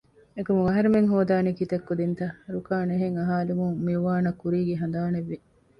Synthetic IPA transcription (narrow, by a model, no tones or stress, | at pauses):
ekumuŋɐɦɐɾemeŋɦoːd̪aːnikit̪ɐkːud̪int̪ɐɾukaːneɦeŋɐɦaːlumuŋmiɾuʋaːnɐkːuɾiːɡeɦɐnd̪aːneʋːi